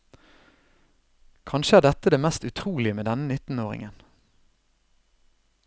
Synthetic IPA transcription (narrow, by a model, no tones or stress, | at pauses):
kʰɑnʃəæːʁd̪ɛt̪əd̪eːmɛst̪ʉt̪ʰʁuːlɪəmeːd̪ɛnənɪt̪n̩oːʁɪ̰ŋən